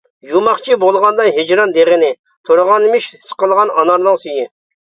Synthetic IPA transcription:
jumɑχt͡ʃʰibolˠʁɑnd̪ɑɦed͡ʒɾɑnd̪eʁɪnɪ | t̪ʰoɾəʁɑnmɪʃsə̥qəlˠʁɑnɑnɑɾnɨŋsyjɪ

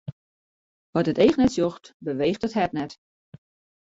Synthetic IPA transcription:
ʋɔtəteːxnɛtsjoxtbəʋeːxtəthɛtnɛt

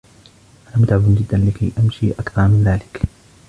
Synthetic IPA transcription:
ʔanaːmʊt̪ʕabʊnd͡ʒɪd̪ːanlɪkajʔamʃiːʔakθɑɾˤmɪnðaːlɪk

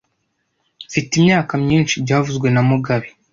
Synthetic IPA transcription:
fitimɲaːkamɲiːnʃibɟaːvuzɡwe̞namuɡaβi̥

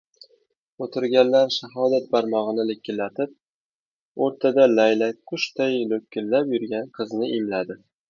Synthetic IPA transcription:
ot̪ʰɪɾɡʲanlaɾʃaɦɒd̪at̪̚baɾmɒʁɨnɪlɪkʲːɪlːat̪ɪp̚ | oɾt̪ʰad̪alajlakʊʃt̪ʰajlɵkʲʰːɪlːapjʊɾɡʲanqʰɨznɪʔɪmlad̪ɪ

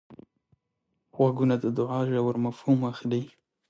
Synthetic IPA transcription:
xwaɡunad̪əd̪ʊʕaʒawəɾmafhumaxlij

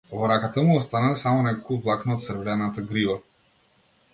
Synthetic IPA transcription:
vɔɾakat̪amuɔst̪analsamɔnɛkokuvlˠaknoːt̪sərvlɛnat̪aɡɾiva

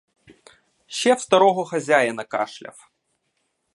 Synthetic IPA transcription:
ɕɛwst̪ɐɾɔɦɔxɐzʲajɐnɐka̰ʂlʲɐ̰f

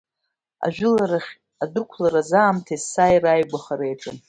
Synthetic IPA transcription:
a̰ʒᶣχʲ | adɨrkʷʰlaɾazaːmtʰaisajrajɡʷaχaɾejʈ͡ʂʼɨn

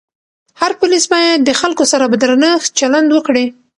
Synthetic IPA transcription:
haɾpʊlisbɑjad̪əxalkosaɾabəd̪ɾanəx̚t͡ʃaland̪wəkɽe

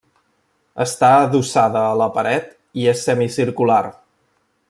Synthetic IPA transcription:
əst̪aəðusaðəːləpəɾɛt̪ | iesɛmisiɾkular

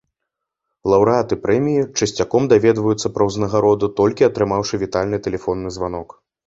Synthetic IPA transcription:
lˠɐwɾɨat̪ɨpɾɛmʲijit͡ʂɨsʲt͡sʲakɔmd̪avʲɛd̪vɐjut̪sːɐpɾɐwznɐɣaɾɔd̪ut̪ɔlʲkʲiɐt̪ɾɨmawʂɨvʲit̪alʲnɨt̪ɛlʲɛfɔnːɨzvanɔk

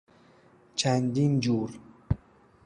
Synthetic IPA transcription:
t͡ʃʰænd̪ind͡ʒuːɾ

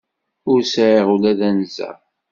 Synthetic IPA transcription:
ʊɾsəʕiʁulæðænzæ̰

